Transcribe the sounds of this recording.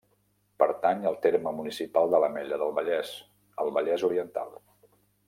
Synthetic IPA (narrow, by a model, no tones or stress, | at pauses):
pəɾt̪aɲəlˠt̪eɾməmunisipalˠd̪ələmɛʎəðəlˠβəʎɛs | əlˠβəʎɛzuɾiənt̪a̰lˠ